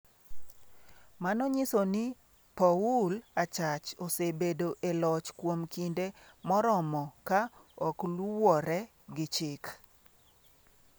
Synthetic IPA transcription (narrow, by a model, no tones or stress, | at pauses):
manɔɲɪsonɪ | paulat͡ʃat͡ʃosebedoʔelɔt͡ʃkwomkinde | mɔɾɔmɔkaɔkluwɔɾɛ | ɡɪt͡ʃɪk